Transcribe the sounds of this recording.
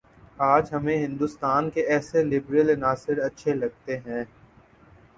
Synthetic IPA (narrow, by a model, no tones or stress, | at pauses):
aːd͡ʒɦɐmẽɦɪ̃nd̪ust̪aːnkeɛːselɪbɾəlnaːsɪɾɐtːʃʰelɐɡ̚t̪eɦɛ̃ː